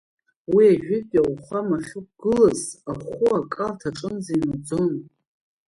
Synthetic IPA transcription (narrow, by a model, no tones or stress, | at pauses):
wiaʒᶣɪpʼawʷχʷamaχʲʊp̚ɡ̥ɨlazaχʷʊakʼaltʰaʈ͡ʂʼɨnzainad͡zon